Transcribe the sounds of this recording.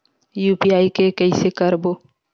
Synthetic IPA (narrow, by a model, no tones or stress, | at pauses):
juːpiaːikekɛisekəɾboː